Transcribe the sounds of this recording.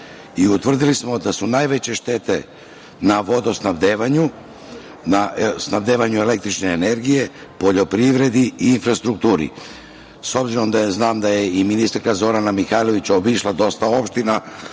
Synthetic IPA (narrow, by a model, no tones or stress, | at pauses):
iut̪ʋr̩d̪ilismo̞d̪asunajʋe̞t͡ɕe̞ʃt̪e̞t̪e̞ | naʋo̞d̪osnaʋd̪eʋaɲu | nasnaʋd̪eːʋaɲue̞le̞k̚t̪ɾit͡ʃneːne̞ɾɡije̞ | po̞ʎo̞pɾiʋɾe̞d̪iiːnfɾast̪ɾuk̚t̪uːɾḭ | so̞bziɾo̞md̪aznaːmd̪aje̞iminist̪aɾkazo̞ɾanamixaːjlˠo̞ʋit͡ɕaobiʃlˠad̪o̞st̪ao̞pʃt̪ina